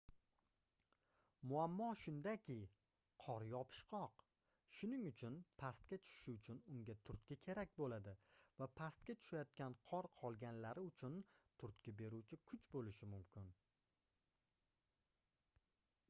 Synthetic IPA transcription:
mʊamːɒʃʊnd̪akʲʰɪ | qʰɒɾjɒpʰɪ̥ʃqʰɒq | ʃʊnɪŋʊt͡ʃʰʊnpʰast̪̚kʲat͡ʃʰʊ̥ʃɪʊt͡ʃʰʊnʊŋɡʲat̪ʰʊɾt̪̚kʲakʲʰe̞ɾak̚ʲbolad̪ɪvapʰast̪̚kʲat͡ʃ̪ʰʊ̥ʃajɒt̪̚kʲanqʰɒɾqʰɒlˠɡʲanlaɾɪʊt͡ʃʰʊnt̪ʰʊɾt̪kʲabe̞ɾuwt͡ʃʰɪkʰʊt͡ʃbolɪʃɪmʊmkʲʰɪn

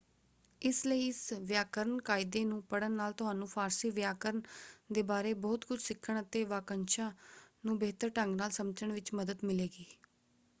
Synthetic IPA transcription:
ɪsləiːɪsʋjaːkəɾəɳkaːɪd̪eːnũːpəɽənːaːlt̪ʊɦaːnũːpʰaːɾsiːʋjaːkəɾəɳd̪eːbaːɾeːbɔːt̪kʊt͡ʃʰsɪkʰːəɳ̃ət̪eːʋaːkənt͡ʃãːnũːbeːt̪əɾʈəŋɡnaːlsəmt͡ʃəɳʋɪt͡ʃməd̪əd̪mɪleːɡiː

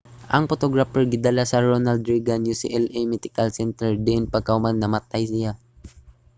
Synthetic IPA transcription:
ʔɐŋpot̪oɡɹapɛɹɡɪd̪alasɐɾonald̪ɹiɡanjusɪ̰ʔɛlejmɛt̪ɪkalsɛnt̪ɛɹd̪ɛʔɪnpɐɡ̚kaʊmanːɐmɐt̪ajsɪja

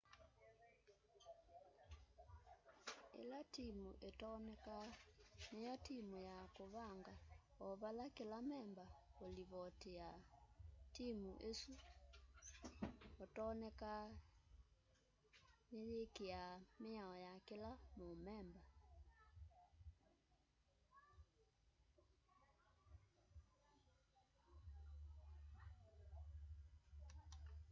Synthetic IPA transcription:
ḛlatimuʔetɔnɛkanejɔtimujakoβaŋɡa | ɔβalakelamɛmbaoliβɔteja | timuʔesu | otɔnɛka | neɾekeameaɔjakelamomɛmba

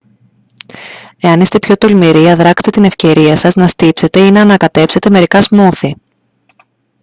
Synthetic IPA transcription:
e̞ɐnist̪e̞pço̞t̪o̞lmiɾiɐðɾɐkset̪e̞t̪ine̞fce̞ɾiɐsɐznɐst̪ipse̞t̪e̞inɐːnɐkɐt̪e̞pse̞t̪e̞me̞ɾikɐzmuθi

